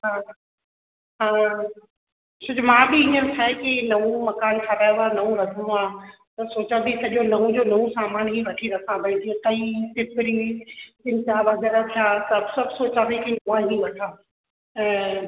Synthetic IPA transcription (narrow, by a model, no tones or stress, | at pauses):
ɦãː | ɦãː | sʊd͡ʑmãːbɪɪ̃ːəsʰakinɐʋũmɐkaːnkʰɐɾaːjanɐũɾɐɡəm̃aː | t̪ɐsoːt͡ɕãb̪ʱisɐʄonɐũd͡ʑoːnɐũsaːmaːnɦiʋɐʈʰiɾɐsãbɐĩt̪iẽt̪ɐit̪ɪpɪɾikɪnt͡ɕaːʋɐɡɛɾat̪ʰjaːkɐbsɐbsoːt͡ɕãʋikinuãɦĩʋɐʈʰãː | ɛ̃ː